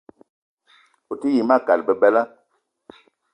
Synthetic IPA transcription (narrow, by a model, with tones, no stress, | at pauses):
o˨ti˦ji˨ma˦˨ka˨lbə˨bɛ˦la˦